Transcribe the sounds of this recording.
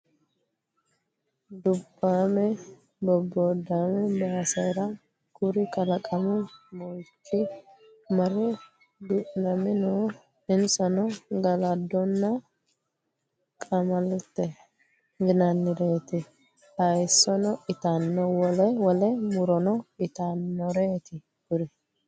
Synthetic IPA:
d̪ʊbːaːmɛ | bɔbːɔd̪ːaːmɛbaːsɐjɾɐ | kʊɾɪkɐlɐkʼɐmɛmɔjkʰːɪ | mɐɾɛ | d̪ʊʔnɐmɪnoː | ɪnsɐnɔɡɐlɐd̪ːɔnːɐ | kʼɐmɐlɛt̪ːɛ | ɡɪnɐnːɪɾeːt̪ɪ | hɐjsːɔnɔʔɪt̪anːɔwɔlɛwɔlɛmʊɾɔnɔɪt̪anːɔɾeːt̪ɪ | ɡʊɾɪ

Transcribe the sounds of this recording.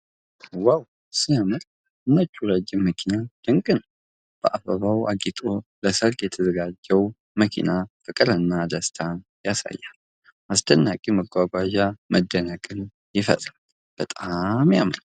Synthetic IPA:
waw | sijamɨɾ | ɨnːət͡ʃːuɾəd͡ʒːɪmːəkʰinad̪̥ɨŋkʼɨnəw | b̥əʔabəβawaɡit̪ʼo̞ləsəɾkjɛt̪ʰəzəɡad͡ʒːɛw | məkʰḭnafɨkʼɨɾɨnːad̪əst̪ʰanjasa̰jːal | ʔast̪ʰənːakʼiməɡʷaɡʷaʒaməd̪ːənakʼɨn | jɪfə̰t̪ʼɾal | b̥ət̪ʼamja̰mɾaw

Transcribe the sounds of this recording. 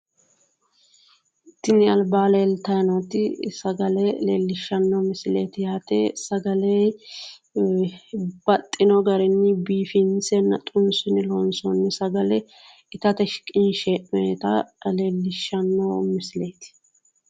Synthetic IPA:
ɪt̪ːɪnɪɐlbaːleːlt̪ɐjnot̪ːɪsɐɡɐlɛlḛːlːɪʃːɐnːɔmɪslḛːt̪ɪjaːt̪esɐɡɐlej | b̥ɐt̪ʼːɪnɔɡɐɾɛnːɪbiːfɪnsɛnːɐ̰t̪ʼʊnsʊnɪloːnsɔnːɪsɐɡɐlɛ | ɪt̪ɐt̪ɛʃkʼːɪnʃeːʔmeːt̪ɐleːlːɪʃːɐnːɔmɪsleːt̪ɪ̥

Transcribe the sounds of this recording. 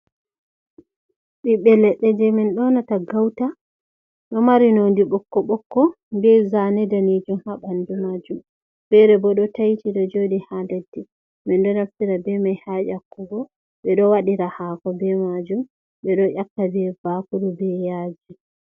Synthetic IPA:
ɓiɓɛlɛɗːɛd͡ʒɛmɛnɗɔnataɡawta | ɗɔmaɾinondiɓɔkːɔɓɔkːɔ | bɛzanɛdaned͡ʒumhaɓandumad͡ʒum | b̥ɛɾɛbɔɗɔtajtiɗɔd͡ʒodihandadːi | mɛnɗɔnaftiɾabɛmajhaʔakːuɡɔ | ɓɛɗɔwaɗiɾahaːkɔbɛmad͡ʒum | ɓɛɗɔʔakːabɛbakuɗubɛjaːd͡ʒi

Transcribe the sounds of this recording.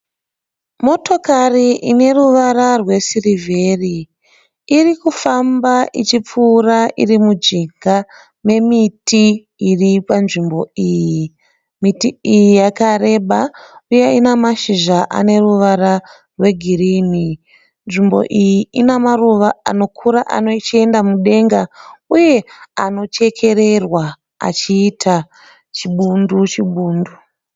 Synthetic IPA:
mo̞to̞kariʔine̞ruʋaɾarwe̞sirive̞ri | irikufambaʔit͡ʃip͡fuːraʔirimud͡ʒiɡa | me̞miti | iripanʐimbo̞iːjji | mitiijijakare̞ɓaujeinamaʃiʒaʔa̰ne̞ruʋaɾa | rwe̞ɡʱirini | nʐimbo̞̰ʔijiinamaruʋaa̰no̞kʰuɾaʔa̰no̞t͡ʃie̞ndamuɗe̞ŋɡauje̞ano̞t͡ʃe̞kʰe̞ɾe̞rwa | a̰t͡ʃiːtʰa | t͡ʃiɓundut͡ʃiɓuːndu

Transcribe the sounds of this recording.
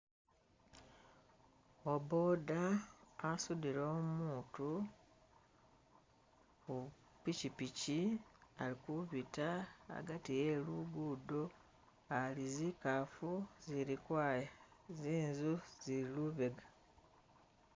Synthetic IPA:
obo̞daː | sudiɾo̞ːmuːtu | ku | picipicialikuβita̰ːɡatijeluɡuːdo | alizikafuziɾikwaːjaziːnzuz̥iɾiluβeɡḁ

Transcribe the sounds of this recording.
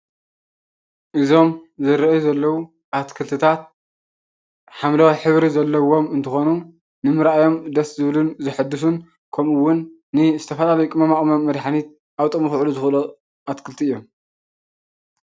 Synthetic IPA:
ʔɨzo̞mzɨɾɐjuzɐlːɐwu | ʔat̪kʰɨlt̪ʰɨt̪ʰat̪̚ | ħamlawajħɨβɾizɐlːɐwo̞mɨnt̪ʰɨxonu | nɨmɨɾajo̞md̪ɐszɨβlunzɨħɨd̪ɨsun | kʰɐmɨwʊnː | ɨzɨt̪ʰɐfɐlalɐjukʼɨmɐmaχʼmɐmːɐd̪ħanit̪̚ | ʔawt̪ʼɨmɨxʕluzɨxɨlo | ʔat̪kʰɨlt̪ʰiɨjːo̞m

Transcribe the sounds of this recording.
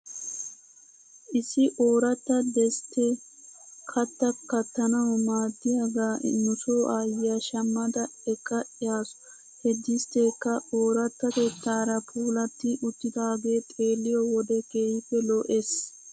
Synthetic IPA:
ʔɪsːɪʔoːɾɐt̪ːɐd̪ɛst̪ːɛ | kʰɐt̪ːɐkːɐt̪ːɐnɐwmaːd̪ːɪjɐɡaːnʊsoːʔaːjɪjɐʃɐmːɐd̪ɐɛkːɐʔɪjaːsʊ̥ | hɛd̪ːɪst̪eːkːɐoːɾɐt̪ːɐt̪et̪ːaːɾɐpʰuːlɐt̪ːɪʔʊt̪ːɪd̪aːɡeːt̪ʼe̞ːlːɪjɔwɔd̪ɛkeːhɪpːɛloʔes

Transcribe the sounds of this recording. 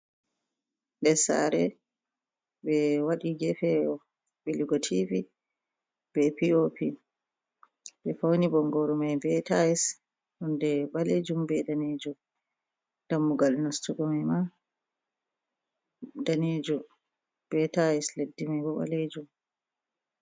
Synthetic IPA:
ɗɛsa̰ɾɛ | bɛwaɗiɡɛfɛɔ | ɓɛliɡɔtʰivi | b̥ɛpiopi | bɛfawnibɔŋɡɔɾumajbɛtajis | ɗundɛɓaled͡ʒumbɛdaned͡ʒu | d̥amːuɡalnastuɡɔmajma | daned͡ʒu | b̥ɛtajisledːimajbɔɓa̰led͡ʒum

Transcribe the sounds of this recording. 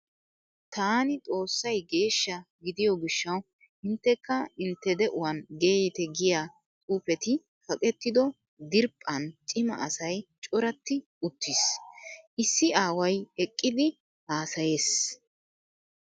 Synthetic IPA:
t̪aːnɪt̪ʼo̞ːsːɐjɡe̞ːʃːɐɡɪd̪ɪjɔɡɪʃːɐw | ɪnt̪ːɛkːɐɪnt̪ːɛd̪ɛʔʊwɐnɡeːjɪt̪ɛɡɪjaː | t̪ʼuːpɛt̪ɪ | fɐkʼɛt̪ːɪd̪ɔ | d̪ɪɾpʼːɐnt͡ʃʼɪmɐ̰ɐsɐjt͡ʃʼɔɾɐt̪ːɪ | ʊt̪ːisʔɪsːɪaːwɐjɛkʼːɪd̪ɪ | haːsɐje̞ːs

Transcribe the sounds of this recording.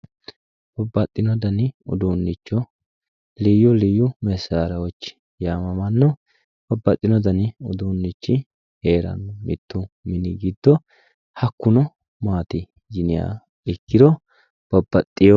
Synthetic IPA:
b̥ɐbːɐt̪ʼːɪnɔd̪ɐnɪɔ̰d̪unːɪt͡ʃːɔ | lijɔlijʊmɛsːaːɾɐwɔt͡ʃːɪ̥ | jaːmɐmɐnːɔ | b̥ɐbːɐt̪ʼːɪnɔd̪ɐnɪɔd̪unːɪt͡ʃːɪ | heːɾɐ̰nːɔmɪ̰t̪ːʊmɪnɪɡɪd̪ːɔ | hɐkːʊnɔ | maːt̪ɪ | d͡ʒɪnɪja̰ː | ɪkːɪd̪ɔ | b̥ɐbːɐt̪ʼːɪjɔ

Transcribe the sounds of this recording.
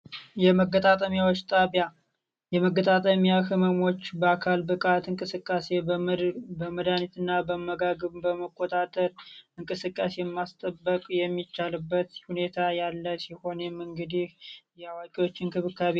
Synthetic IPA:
jɛməɡːət̪ʼat̪ʼəmjawo̞t͡ʃːt̪ʼaβja | jɛməɡət̪ʼat̪ʼəmjakɨməmo̞t͡ʃːbəakʰalbɨkʼat̪ɨŋkʼɨsɨkʼːase̞ | bəməd̪anit̪ʰɨnːabəməɡaɡəβbəməkʰʼːo̞t̪ʼat̪ʼəɾɨŋkʼɨsɨkʼːase̞mːast̪ʼəbːəkʼjɛmːit͡ʃːalɨbːət̪hune̞t̪ʰajalːəsiho̞nɛmɨŋɡɨd̪ihjɛwakʼiwo̞t͡ʃːɪnkʰɨβɨkʰaβi

